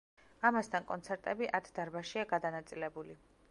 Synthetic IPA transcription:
amast̪ʰankʼɔ̰nt̪sʰɛɾt̪ʼɛbiʔaɾt̪ʰd̪aɾbaʃiaɡad̪anat̪sʼilɛbuli

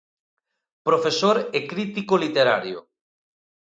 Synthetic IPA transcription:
pɾofesoɾekɾit̪ikolit̪eɾa̰ɾjo̰

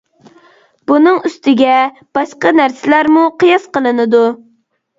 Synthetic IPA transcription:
bunɨŋyst̪ɪɡʲɛ | b̥ɑʃqɑnæɾsɪlæɾmuqəjɑsqəlˠɨnɨd̪u

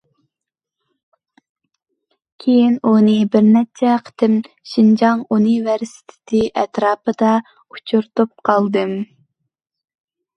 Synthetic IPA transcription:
kʲʰejinunɨbɪɾnɛt͡ʃʰɛqʰə̥t̪ʰɪm | ʃind͡ʒɑŋunivɛɾsɪ̥t̪ʰɪ̥t̪ʰɪʔɛt̪ɾɑːpɨd̪ɑ | ut͡ʃʰuɾt̪up̚qʰɑlˠd̪ɨm

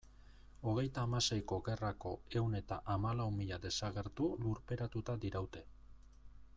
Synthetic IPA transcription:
o̞ɣ̞e̞jt̪aːmase̞jko̞ɣe̞rako̞e̞wne̞t̪a̰ʔamalawmiʎad̪e̞saɣe̞ɾt̪uluɾpe̞ɾat̪ut̪ad̪iɾawt̪e̞

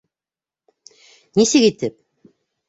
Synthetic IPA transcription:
nisɘkit̪ɘp̚

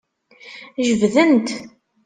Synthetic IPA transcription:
ʒəvðənt̪

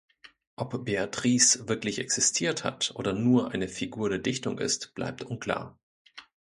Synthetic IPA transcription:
ʔɔpb̥eatʁ̥iːsv̥ɪɐklɪçɛksɪstʰiːɐtha̰tʔoːdɐnuːɐʔaɪnəfiɡuːɐdeːɐdɪçtʊŋʔɪ̰stb̥la̰ɪp̚tʔʊnkʰl̥a̰ːɐ

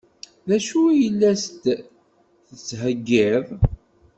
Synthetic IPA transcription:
ðæʃujəlːæst̪ | θət͡sːɦəɡːɪðˤ

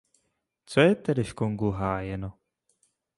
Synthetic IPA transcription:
t͡sojɛt̪ɛdɪʃkoŋɡuɦaːjɛno

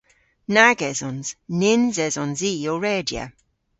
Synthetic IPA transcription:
naɡɛzɔnz̥nɪnzɛzɔnziːoɹɛːdjə̰

